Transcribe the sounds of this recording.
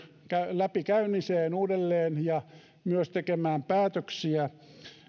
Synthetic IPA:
kælæpikæyniseːnuːdelːeːnjɑ | myøst̪ekemæːmpæːt̪øksiæ

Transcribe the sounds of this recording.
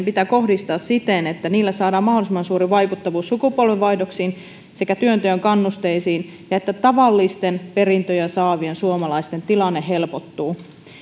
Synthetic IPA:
mpit̪æːko̞hdist̪ɑːssit̪enet̪ːæniːlːæsɑːdɑːmɑho̞lisimɑnsuːɾiʋɑjkut̪ːɑʋuːsːukupo̞lʋeʋʋɑjdo̞ksiːn | se̞kæt̪yønt̪øjøŋkɑnːust̪e̞jsiːn | jɑe̞t̪ːæt̪ɑʋɑlːist̪enpe̞rint̪øjensɑːʋiensuomɑlɑist̪e̞nt̪ilɑnːeɦelpo̞t̪ːuː

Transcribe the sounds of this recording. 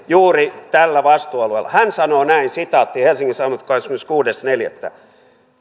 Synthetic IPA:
juːrit̪ælːæʋɑst̪uːɑluḛlːɑ̰hænsɑnoːnæinsit̪ɑˑot̪ːihelsiŋkisɑnoʋɑt̪koismenskuːdesneljæ̰t̪ːæ̰

